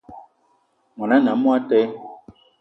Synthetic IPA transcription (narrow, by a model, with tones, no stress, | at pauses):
mɔ˨na˦na˨˦mu˦a˦tɛ˦